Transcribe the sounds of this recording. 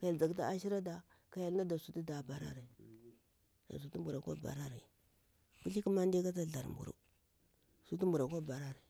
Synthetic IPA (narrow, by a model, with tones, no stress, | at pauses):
ka˨ja˨ld͡za˨kta˦a˦ʃi˦ɾa˦da˨ | ka˨ja˨lna˦da˨su˦ti˦da˨ba˨ɾa̰˦ɾi˨ | a̰˨s̬u˦tu˦mbu˨ɾa˨kʷa̰˦ba̰˨ɾa˦ɾḭ˨ | ku˦ɬi˦ku˦ma˦nde˦ka˦t̬a˦ɮa˨ɾmbṵ˨ɾṵ˦ | su˦tu˦mbu˨ɾa˨kʷa˦ba˨ɾa˦ɾi˨